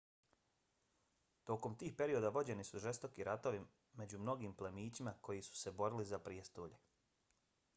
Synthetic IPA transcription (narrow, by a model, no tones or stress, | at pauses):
t̪o̞ko̞mt̪iːxpe̞ɾio̞d̪aʋo̞d͡ʑe̞nisuʒe̞st̪o̞kiɾʔat̪o̞ʋi | me̞d͡ʑumno̞ɡiːmplemiːt͡ɕimako̞jisu̥se̞bo̞ɾilizapɾiest̪uːʎe